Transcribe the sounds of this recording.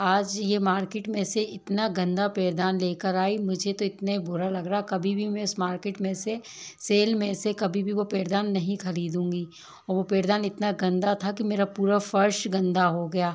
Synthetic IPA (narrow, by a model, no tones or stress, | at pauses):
aːd͡ʒjemaːɾkeːʈmẽseʔɪt̪naɡɐ̃nd̪apeːɾd̪aːnleːkəɾaːimʊd͡ʒʱet̪oɪt̪neibʊɾalɐɡɾaːɛkɐbʱibʱimɛ̃ɪsmaːɾkeːʈmẽse | seːlmẽsekɐbʱibʱiʋopeːɾd̪aːnːɐɦĩxɐɾiːd̪ũːŋɡiː | ɔːɾʋopeːɾd̪aːnɪt̪naɡɐ̃nd̪at̪ʰak̬imeːɾapuːɾafɐɾʃɡɐ̃nd̪aɦoɡɐjaː